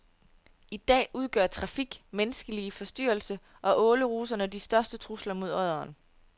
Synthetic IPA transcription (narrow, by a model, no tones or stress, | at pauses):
id̥ɛ̰ːʔuð̞ˠɡ̥ɶɐ̰t͡sʰʁɑ̈fiɡ̥menəsɡ̥əlifɒ̽sd̥y̰ːɐlsə | ʔɒ̽ʔɔ̽ːləʁuːs̬ɐnəd̥isd̥ɶɐsd̥ət͡sʰʁuslɐmo̝ð̞̰ˠɒð̞ˠɐːn